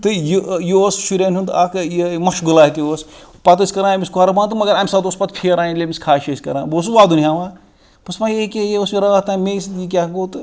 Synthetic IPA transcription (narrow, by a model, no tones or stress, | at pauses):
t̪ɨjjosʃuɾʲeːnʲund̪akjemɐʃɡɨlaːɦt̪iospɐt̪əsʲkɐɾãːmʲiskuaːɾɐbaːnt̪ɨmɐɡɐɾaːmsad̪oːspɐt̪pʲʰiɾaːinlʲemiskʰaːʃɐsʲkɐ̰ɾãːboːsuʋaːd̪unʲɦaːʋãː | pɐsmajekʲejeosmiɾɐat̪aːmesjik̬ʲaɡoːt̪ɨ